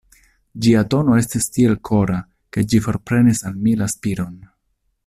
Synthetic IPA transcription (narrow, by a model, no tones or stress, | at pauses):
d͡ʒiato̞no̞e̞stistie̞lkʰo̞ɾa | ke̞d͡ʒifo̞ɾpɾe̞nisalmilaspiɾo̞n